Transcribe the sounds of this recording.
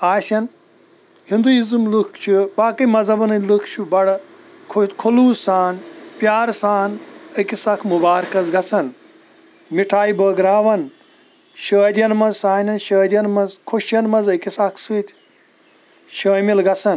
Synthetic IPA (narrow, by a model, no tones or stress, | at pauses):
aːsʲɐn | hind̪uizɨmlɨkʰt͡ʃʰubaːkɨmɐzɐbɐnɐnʲlɨkʰt͡ʃʰubɐɽɐ | kʰokʰoluːsaːnpʲjaːɾsaːnɐkʲisakʰmubaːɾkɐzɡɐt͡sʰɐn | miʈʰaːibəːɡɾaːʋɐn | ʃəːd̪ʲɐnmɐzsaːnʲɐnʃəːd̪ʲɐnmɐzkʰoʃjɐnmɐzɐkʲisɐkʰsɨːt̪ʲʰ | ʃɐːmilɡɐt͡sʰɐn